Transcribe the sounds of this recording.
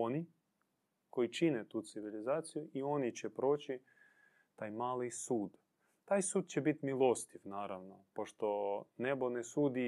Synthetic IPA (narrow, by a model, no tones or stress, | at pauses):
oni | ko̞jit͡ʃinet̪uːt̪siʋilizaːt̪sijuʔio̞nit͡ɕɛpɾo̞ːt͡ɕi | t̪aːjmaːlisuːd̪ | t̪aːjsuːd̪̚t͡ɕebit̪milˠost̪ifnaːɾaʋnopoʃt̪o̞nebonesuːd̪i